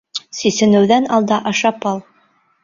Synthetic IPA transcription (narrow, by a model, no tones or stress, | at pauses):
sisɘ̆nɘ̆wðænɑlˠd̪ɑʔɑʃɑpɑlˠ